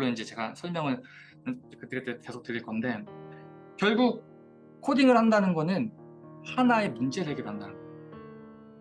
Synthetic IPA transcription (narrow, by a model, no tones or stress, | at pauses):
ɾoind͡ʑe̞t͡ɕe̞ɡasʰʌɭmjʌŋɯɭ | kːɯt͈ʰɯet͈eke̞sʰok̚t͈ɯɾiɭk͈ʌnde̞ | kjʌɭɡuk̚ | kʰodiŋɯɭhandanɯnɡʌnɯn | hanae̞mund͡ʑe̞deɡedɦandanɯnɡʌjo